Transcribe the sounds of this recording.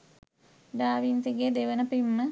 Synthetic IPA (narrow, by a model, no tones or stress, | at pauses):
d̪aːʋinseɡeːd̪eʋənəpimːə